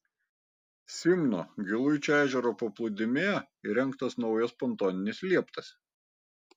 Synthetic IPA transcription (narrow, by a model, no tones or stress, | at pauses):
sʲɪmno̰ːɡʲɪlˠʊjt͡ʃʲoæːʒʲɛɾoːpɐplˠʊd̪ʲɪmʲeː | iɾʲɛŋˑkt̪ɐsnɒʊjɛspɔnˑt̪oːnʲɪnʲɪslʲiɛpt̪ɐs